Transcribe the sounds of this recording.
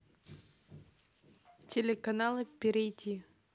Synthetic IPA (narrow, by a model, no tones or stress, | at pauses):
tʲelʲɪkɐnalˠɨpʲɪɾʲɪjtʲi